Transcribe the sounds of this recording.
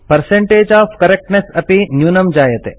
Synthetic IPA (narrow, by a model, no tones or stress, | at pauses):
pɐɾseɳʈeːd͡ʒaːfkɐɾek̚ʈnesɐpinjuːnɐmd͡ʒaːjɐt̪e